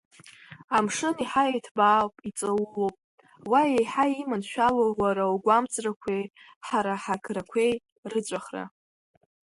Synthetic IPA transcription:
amʂɨniħajejtʰbaːwpʼit͡sʼawlopʼ | wajejħaimanʃᶣalowaɾawɡʷamt͡sʼrakʷʰej | ħaɾaħakʰrakʷʰe̞j | rɨt͡sʷʼaχra̰

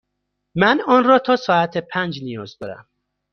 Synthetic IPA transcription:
mænɒːnrɒːt̪ʰɒːsɒːæt̪ʰepʰænd͡ʒnijɒːzd̪ɒ̰ːɾæ̰m

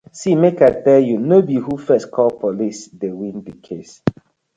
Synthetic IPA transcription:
simekatɛljunobiɦufɛstkʰɔlpʰolisdewĩndəkʰes

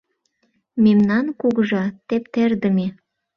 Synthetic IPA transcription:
memnɑnkuɣəʒɑt̪ept̪erd̪ə̆me

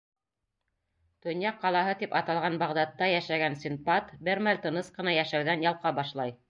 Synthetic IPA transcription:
t̪ŏnjɑqːɑlˠɑɦɤt̪ipɑt̪ɑlˠʁɑnbɑʁd̪ɑt̪ːɑjæʃæɡænsʲimpat̪bɘɾmælʲt̪ɤ̆nɤsqɤ̆nɑjæʃæwðænjɑlˠqɑbɑʃlˠɑj

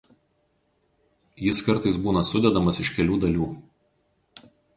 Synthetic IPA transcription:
jɪskɐɾˑt̪ɐɪsbuːnɐsʊd̪ʲɛd̪ɐmɐsɪʃkʲɛlʲuːd̪ɐlʲuː

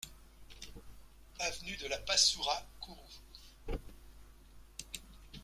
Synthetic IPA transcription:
avnyd̪əlapasuʁakʰuʁu

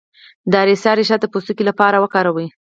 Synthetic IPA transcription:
d̪ɑɾesɑɾeʃɑd̪əpost̪ukilapɑɾawəkɑɾawəj

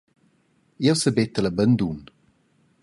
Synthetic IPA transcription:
iɛwsəbɛt̪ələbənd̪un

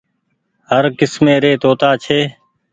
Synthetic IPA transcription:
ɦəɾkɪsmẽːɾeːt̪oːt̪aːt͡ʃʰeː

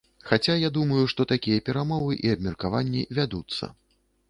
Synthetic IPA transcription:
xat͡sʲajad̪umɐjuʂt̪ɔt̪akʲijɐpʲɛɾamɔvɨʔiɐb̚mʲɛrkavanʲːḭvʲad̪ut̪sːɐ̰

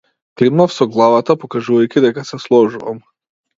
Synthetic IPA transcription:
klimnafsɔɡlˠavat̪apɔkaʒuvajkʲid̪ɛkasɛslˠɔʒuva̰m

